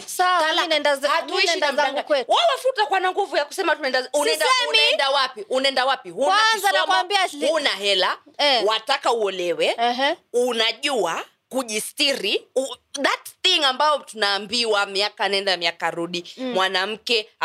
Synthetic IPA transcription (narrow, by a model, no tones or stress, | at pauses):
saanaɛndazatuiʃiamaŋɡkɛwalafutakwanaŋɡuvujaku̥sɛmatunaɛndazunaɛndɛumɛndawapiʔunaɛndawapihunzanamaambiaunaɦɛlawatakauɔlɛwɛɦunaʄua | kuʄistiɾiuðatθiŋambaɔtunaːmbiwamiakaːnaɛndamiakaɾuɗimwanam̩kɛ